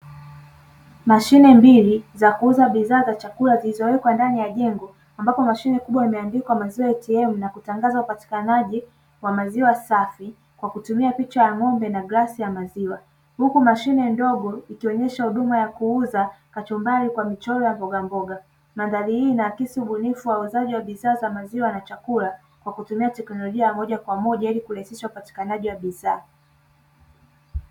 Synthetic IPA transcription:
maʃinɛmbilizakuuzaɓiðaːzat͡ʃakulazilizɔwɛkwandanijaʄɛŋɡɔ | ambapɔmaʃinɛkuɓwaimɛandikwamaziwajɛtiɛmunakutaŋɡazaupati̥kanaʄi | wamaziwasafi | kwakutumiapit͡ʃajaŋɔmbɛnaɠasijamaziwa | hukumaʃinɛndɔɠɔikiɔɲɛʃahuɗumajakuuzakat͡ʃɔmbalikwamit͡ʃɔlɔjambɔɠambɔɠa | mandalihiːnaːkisiuɓunifuwauzaʄiwaɓiðaːzamaziwanat͡ʃakula | kwakutumiatɛknɔlɔʄiaamɔʄakwamɔʄailikuɾahisiʃaupati̥kanaʄiwaɓiðaː

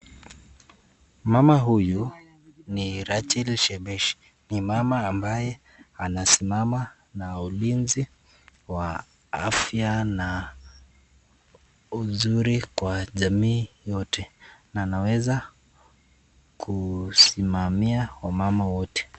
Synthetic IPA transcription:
mamaɦuju | niɾat͡ʃilʃɛɓɛʃ | nimamaːmbajɛ | anasimama | naulinzi | wa | a̰fjana | uzuɾikwaʄamiːjɔtʰɛnaːnawɛza | kʰusimamiawamamawɔtɛ̥

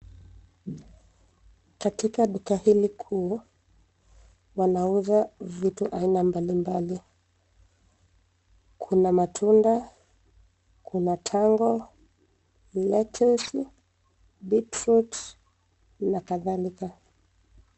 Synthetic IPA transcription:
katikaɗukahilikʰuː | wanauðavituʔainambalimbali | kʰunamatʰunda | kʰunatʰaŋɡɔ | lɛtʰɛsi | ɓitɾut | nakaðalika

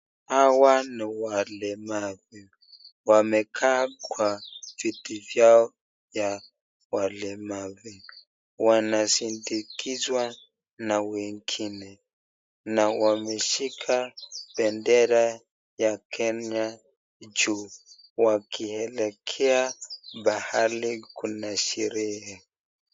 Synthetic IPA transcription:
awaniwalɛmaβi | wamɛkʰakwavitivjaɔ | ja | walɛmaβi | wanasindikʰizwa | nawɛŋɡinɛ | nawamɛʃikʰaɓɛndɛɾa | jakʰɛɲa | d͡ʒu | wakiɛlɛkʰɛaɓahalikunaʃɛɾɛhɛ

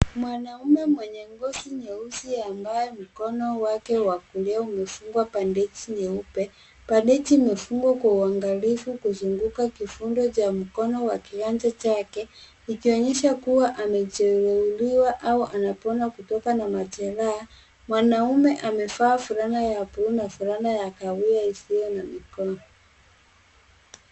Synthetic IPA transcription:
mwanaumɛmwɛɲɛŋɡɔsiɲɛusiambajɛm̩kɔnɔwakɛwakulɛaumɛfuŋɡwapandɛt͡ʃiɲɛupɛ | pandɛt͡ʃimɛfuŋɡwakwauaŋɡalifukuzuŋɡukakifundɔt͡ʃam̩kɔnɔwakiɾand͡ʒat͡ʃakɛ | ikiɔɲɛʃakuwaʔamɛt͡ʃɛɾɛuliwaʔauʔanapɔnakutɔkanamat͡ʃɛɾaː | mwanaumɛʔamɛfaːfuɾanajapunafuɾanajakawiaisijɔnamikɔnɔ

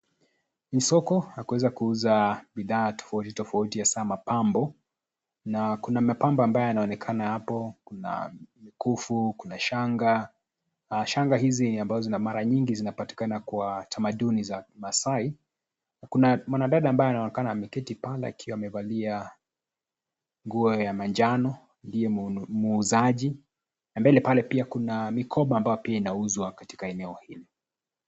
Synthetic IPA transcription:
n̩sɔkɔhakuwɛzakuuzaɓiðaːtɔ̥fautitɔfautijasaːmapambɔ | nakunamapambɔambajɔjanaɔnɛkʰanahapɔkuna̰mikufukunaʃaŋɡa | ʃaŋɡaɦiziniambazɔzinamaɾaɲiŋɡizinapati̥kanakwatʰamaɗunizamasai | nakunamwanaɗaɗaːmbajɔanaɔnɛkananamɛkɛtipalɛ̰a̰kʰiwaːmɛvalia | ŋɡuɔjamaɲd͡ʒanɔ | ndiɛmuːzaʄi | nambɛlɛpalɛpiakunamikʰɔɓaːmbajɔpiainauzwakati̥kaɛnɛɔhili

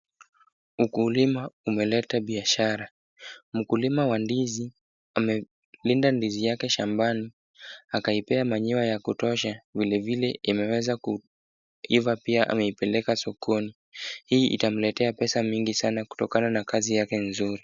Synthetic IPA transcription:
ukulimaumɛlɛtaɓiaʃaɾa | m̩kulimawandizi | amɛ | lindandizijakɛʃambani | akaipɛamaɲiwajakutɔʃavilɛvilɛʔimɛwɛzaku | ivapiaʔa̰mɛipɛlɛkasɔkʰɔni | hiːʔḭtam̩lɛtɛapɛsamiŋɡisanaku̥tɔkananakazijakɛnzuɾi

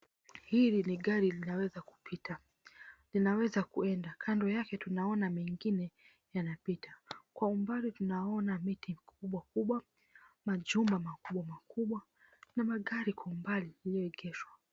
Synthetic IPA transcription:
hiliniɠaɾilinawɛzaku̥pʰita | linawɛzakuɛndakʰandɔjakɛtunaɔnamɛŋɡinɛ | janapitakwaumbalitunaɔnamitimikuɓwakuɓwa | maʄumbamakuɓwamakuɓwa | namaɠaɾikwaumbalialijɔɛɡɛʃwa

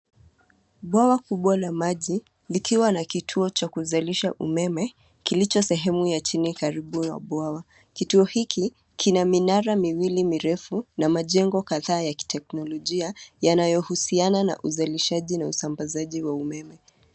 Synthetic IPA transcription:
ɓwawakuɓwalamaʄi | likiwanakitʰuɔt͡ʃakuzaliʃaʔṵmɛmɛ | kilit͡ʃɔsɛɦɛmujat͡ʃinikaɾiɓuja̰ɓwawa | kituɔhikʰi | kʰinaminaɾamiwilimiɾɛfunamaʄɛŋɡɔkaðaːjaki̥tɛk̚nɔlɔʄiajanajɔhusianana̰ʔuzaliʃaʄinausambazaʄiwaumɛmɛ

